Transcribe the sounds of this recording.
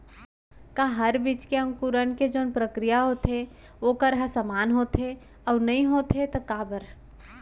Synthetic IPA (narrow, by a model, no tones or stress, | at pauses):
kãːɦɐɾbiːt͡ʃkeɐ̃ŋkuɾənked͡ʒoːnpɾəkɾijaɦot̪e | oːkəɾɦɐsəmaːnɦoːt̪e | ɔːɾnɐɦĩɦoːt̪et̪okaːbəɾ